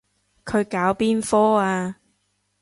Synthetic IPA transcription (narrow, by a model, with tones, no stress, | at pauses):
kʰɵ˨˧ɥkaː˨˥wpiː˥nfɔː˥aː˧